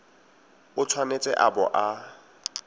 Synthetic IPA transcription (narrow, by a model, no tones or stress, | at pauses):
ʊt͡sʰwanet͡sʼɛʔabɔʔa